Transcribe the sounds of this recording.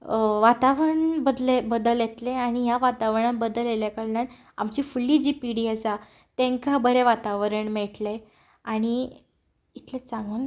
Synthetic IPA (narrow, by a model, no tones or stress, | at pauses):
ʋat̪aʋɾəəɳbəd̪lebəd̪əljet̪leaɽ̃ijaʋat̪aʋɳabəd̪əleljakəɾljãn | amt͡ɕifulːid͡ʑiːpiɽiəsa | t̪ẽŋkabəɾeʋat̪aʋɾəɳmeʈle | aɽ̃i | it̪let͡saŋɡən